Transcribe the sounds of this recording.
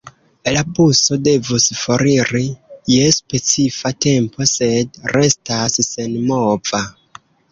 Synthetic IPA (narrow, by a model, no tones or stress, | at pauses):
labuso̞de̞vusfoɾiɾijespe̞t͡sifate̞mpʰo̞se̞dɾe̞stassenmov̥a